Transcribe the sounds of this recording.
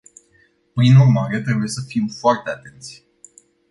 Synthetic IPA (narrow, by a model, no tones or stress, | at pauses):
pɾinurmaɾe̞t̪ɾe̞buje̞səfimfoart̪e̞at̪e̞nt̪sʲ